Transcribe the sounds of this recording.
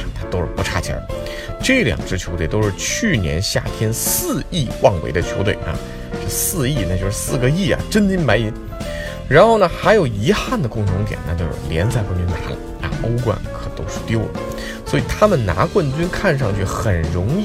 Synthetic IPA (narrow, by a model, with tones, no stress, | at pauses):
t̪ʰa˥t̪o˥ʊʂɻ̩˥˩pu˧˥ʈ͡ʂʰa˥˩t͡ɕʰjɛ̰˧˥ | ʈ͡ʂɤ˥˩ljɑ̰˨˩ŋʈ͡ʂɻ̩˥t͡ɕʰjo˧˥ʊt̪we˨˩ɪt̪o˥ʂɻ̩˥˧t͡ɕʰy˥˩njɛ̰˧˥nɕja̰˥˩t̪ʰjɛ˥nsɹ̩˥˧i˥˧wɑ˥˩ŋwe˧˥ɪd̪ə˧t͡ɕʰjo˧˥ʊt̪we˧˩ɪa̰˧˥ | ʂ̩˥˧˩sɹ̩˥˧i˥˩na˥˩t͡ɕjo˥˧ʊʂɻ̩˥˧sɹ̩˥˩ɡə˧i˥˩ɐ̰˨˩ʈ͡ʂə˥nt͡ɕi˥nma˧˥ɪi˧˥ | ɻa˧˥nxo˥˩ʊnə˩xa˧˥ɪjo˨˩ʊi˧˥xa˥˩nd̪ə˩kʊ˥˩ŋʈ͡ʂʰʊ˧˥ŋt̪̬jɛ̰˨˩na̰˥˩t͡ɕjo˥˧ʊʂɻ̩˥˩ljɛ˧˥nt͡sa˥˧ɪkwə˥˩nt͡ɕy˥na̰˧˥lə̰˨˩ | a̰˧˩o˥ʊkwa̰˥˩nkʰɤ˨˩t̪o˥ʊʂɻ̩˥˧t̪jo˥ʊl | swɔ˧˥i˨˩t̪ʰa˥mə˨nna̰˧˥kwə˥˩nt͡ɕy˥nkʰa˥˧nʂ̬ɑ˥˧ŋt͡ɕʰy˥˩xə˨˩nɻʊ˧˥ŋ˥˩